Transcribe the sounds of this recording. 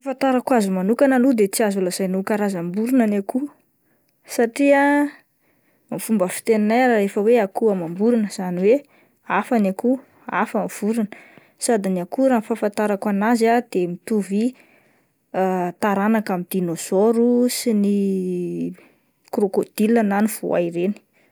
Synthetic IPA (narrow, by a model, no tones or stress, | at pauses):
afant̪aɾakwazumanukanalud̪et͡siazulaz̥ajnukaɾazambuɾinanaku | saʈ͡ʂia | mifumbəfi̥t̪eninajɾaefəweakuamambuɾunəz̥aniwe | afanaku | afamiv̥uɾinə̥ | sad̪iniakuɾanfafant̪aɾakwanazad̪emit̪uvi | at̪aɾanakamid̪̥inozoɾusini | kɾokod̪̥ilananiv̥o̰a̰iɾeni̥